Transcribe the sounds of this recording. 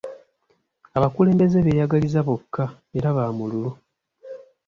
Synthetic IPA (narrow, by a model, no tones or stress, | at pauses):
aβakule̞ːmbe̞ze̞βe̞ːjaɡalizaβokːa | e̞ɾaβaːmululu